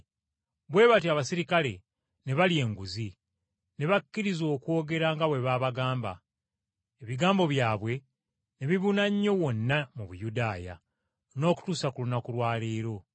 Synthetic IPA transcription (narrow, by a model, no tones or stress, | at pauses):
βwe̞ːβatiaβasiɾikale̞̰ | ne̞βalie̞ŋɡuzi | ne̞βakːiɾizo̞ːkwo̞ːɡe̞ɾaŋɡaβwe̞βaːβaɡaːmba̰ | eβiɡaːmbo̞βjaːβwe̞ | neβiβunaɲːo̞wo̞nːamuβujudaːja̰ | no̞ːku̥tuːsakulunakulwaːleːɾo̞